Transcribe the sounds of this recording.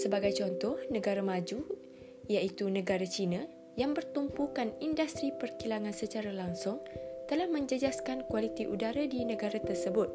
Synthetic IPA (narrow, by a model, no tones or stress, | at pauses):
səbaɡajt͡ʃɔnt̪ɔhnə̃ɡaɾamãd͡ʒu | jait̪unə̃ɡaɾat͡ʃinã | jaŋbərt̪umpukanindast̪ɾipərkilaŋãnsət͡ʃaɾalaŋsʊŋt̪əlahmə̃ɲd͡ʒəd͡ʒaskankwalit̪iʔudaɾadinə̃ɡaɾat̪ərsəbʊt̪̚